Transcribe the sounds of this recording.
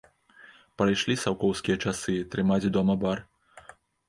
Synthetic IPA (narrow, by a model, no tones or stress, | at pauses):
pɾajʂlʲisawkɔwskʲijɐt͡ʂasɨt̪ɾɨmad͡zʲd̪ɔmɐbar